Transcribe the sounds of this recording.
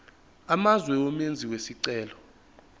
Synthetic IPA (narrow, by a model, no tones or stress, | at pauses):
amazwɛomend͡zʱiwesiǀɛːlɔ